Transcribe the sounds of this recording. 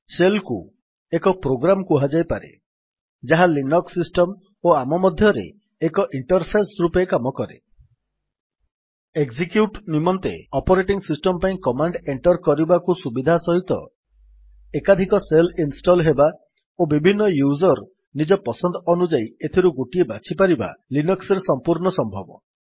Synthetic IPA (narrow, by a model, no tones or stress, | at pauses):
selkṵ | ekɔpɾoɡɾamɔkuɦad͡ʒajpaɾḛ | d͡ʒaɦalinɔksisʈɔm | oamɔmɔd̪ʱjɔɾḛː | kɔʔiɳʈɔɾpʰesɾupekamɔkɔɾḛ | eɡzikjuʈnimɔnt̪ḛɔpɔɾeʈiŋsisʈɔmpaĩkɔmaɳɖeɳʈɔɾkɔɾibakusubid̪ʱasɔɦit̪ɔ̰ | ekad̪ʱikɔselinsʈɔlɦeba | obibʱinːɔjuzɔɾ | nid͡ʒɔpɔsɔnd̪ɔɔnud͡ʒaiet̪ʰiɾuɡoʈiebat͡ʃʰipaɾiba̰linɔkseɾesɔmpuɾɳɔsɔmbʱɔbɔ̰